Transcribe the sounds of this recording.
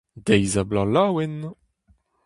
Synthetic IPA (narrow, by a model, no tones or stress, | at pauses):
d̪ejzablalaːwɛn